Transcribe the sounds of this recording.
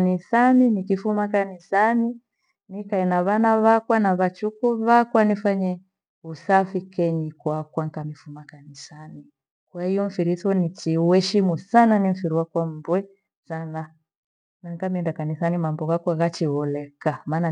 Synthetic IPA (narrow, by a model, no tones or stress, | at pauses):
nisaninikifumakanisani | nikaɛnaβanaβakwanaβat͡ʃukuβakwanifaɲɛ | usafikɛɲikwakwaŋ̩kamifumakanisani | kwahijɔɱ̩fiɾiθɔnit͡ʃiwɛʃimusananim̩fiɾiwakwam̩bwɛ | sana | naŋkamiɛndakanisanimambɔɣakwaaɣat͡ʃiɣɔlɛkamaːna